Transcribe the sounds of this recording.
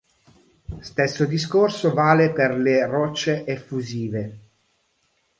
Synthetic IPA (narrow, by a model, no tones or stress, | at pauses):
st̪esːod̪iskorsovaːleperlerɔt͡ʃːeʔefːuziːve